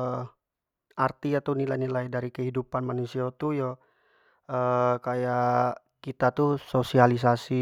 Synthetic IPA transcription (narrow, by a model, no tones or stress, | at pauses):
art̪iat̪anilajnilajdaɾikəɦidupanmanusiat̪ujɔ | əkaja | kit̪at̪usosialis̬asi